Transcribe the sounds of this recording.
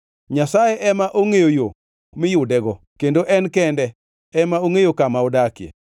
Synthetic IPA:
ɲasajeʔɛmaʔoŋejojo | mɪjʊdɛɡɔ | kendoʔɛnkɛndɛ | ɛmaoŋejokamaɔdakjḛ

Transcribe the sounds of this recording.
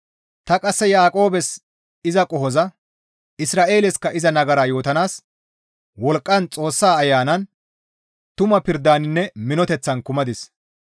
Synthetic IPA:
t̪ɐkʼɐsːɛjaːkʼo̞ːbɛs | ɪzɐkʼɔhɔzɐ | ɪsɾaːʔe̞ːlɛskɐʔɪzɐnɐɡɐɾaːjo̞ːt̪ɐnaːs | wɔlkʼːɐnt͡sʼo̞ːsːaːɐjːaːnɐn | t̪ʊmɐpɪɾd̪aːnɪnːɛmɪnɔt̪ɛt͡sːɐnkʊmɐd̪ɪs

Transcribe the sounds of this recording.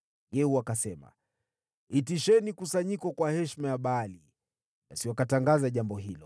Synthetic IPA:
jɛhuakasɛma̰ | itiʃɛnikusaɲikɔkwahɛʃmajaɓaːli | ɓasiwakataŋɡazaʄambɔɦilɔ

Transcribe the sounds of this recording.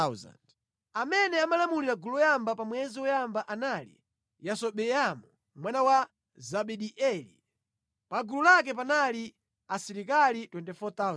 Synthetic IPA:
za̰nd | amɛnɛamalamuliɾaɡuluɔjambapamwɛziwɔjambaʔanalḭ | jasɔɓɛjamu | mwanawa | zaɓɛɗiʔɛlḭ | paɡululak̬ɛp̬anali | asiɾikalitwɛntɛfɔt̪az

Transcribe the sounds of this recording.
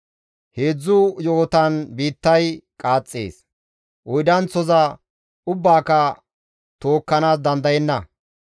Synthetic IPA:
he̞ːd͡zːʊjoːt̪ɐnbiːt̪ːɐjkʼaːt͡sʼːḛːs | ʔɔjd̪ɐnt͡sːɔzɐ | ʊbːaːkɐ | t̪o̞ːkːɐnaːs̬d̪ɐnd̪ɐjɛnːɐ

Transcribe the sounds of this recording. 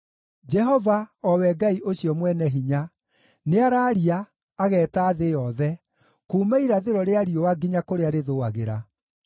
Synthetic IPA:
d͡ʒɛɦɔvaɔwɛɡaiʔoɕiɔmwɛnɛɦiɲa | neaɾaːɾiaː | ɣɛːtaːðejɔðɛ | kuːmaiɾaðeɾɔɾeaɾiowaɡiɲakoɾeaɾeðoaɣḛɾa̰

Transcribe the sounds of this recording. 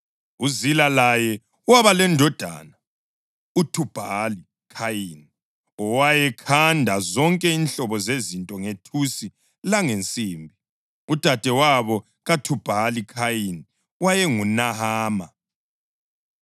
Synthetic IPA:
uzilalajɛ | uwaβalɛndʱɔd̥ʱa̰na | utʰub̥ʱali | kʰajini | ɔwajɛkʰandʱazɔŋkʼɛinɬɔβɔzezintʼɔŋetʰusi | laŋent͡sʼiːmbʱi | ud̥ʱad̥ʱɛwaβɔ | ɣatʰub̥ʱalikʰajini | wajɛŋunahaːma

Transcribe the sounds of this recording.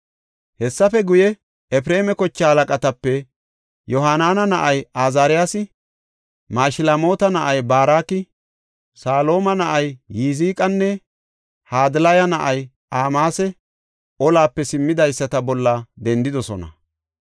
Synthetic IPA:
hɛsːɐfɛɡʊjɛ | ɛp̬ɪɾe̞ːmɛkɔt͡ʃːɐhɐlɐkʼɐt̪ɐpːɛ | jɔɦaːnaːnɐnɐʔɐjaːzaːɾɪjaːsɪ | maːjʃɪlamo̞ːt̪ɐnɐʔɐjbaːɾaːkɪ | saːlo̞ːmɐnɐʔɐjːiːziːkʼɐnːɛ | haːd̪ɪlɐjɐnɐʔɐj | aːmaːsɛ | ɔlaːpːɛsɪmːɪd̪ɐjsːɐt̪ɐbɔlːɐd̪ɛnd̪ɪd̪ɔsɔnɐ̰

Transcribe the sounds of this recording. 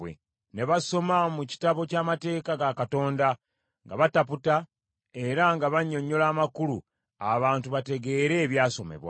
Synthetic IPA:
wḛ | ne̞βaso̞mamuci̥taβo̞caːmate̞ːkaɡakato̞ːnda | ŋɡa̰βataputa | e̞ɾaŋɡaβaɲːo̞ɲːo̞laːmakulu | aβaːntuβate̞ɡe̞ɾe̞ːβjaːso̞me̞̰βwa̰

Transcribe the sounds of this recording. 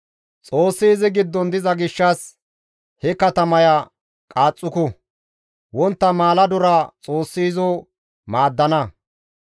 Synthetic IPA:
t͡sʼo̞ːsːiːzɪɡɪd̪ːɔnd̪ɪzɐɡɪʃːɐs | hɛkɐt̪ɐmɐja | kʼaːt͡sʼːʊkʊ | wɔnt̪ːɐmaːlɐd̪ʊɾɐt͡sʼo̞ːsːiːzɔː | maːd̪ːɐnɐ

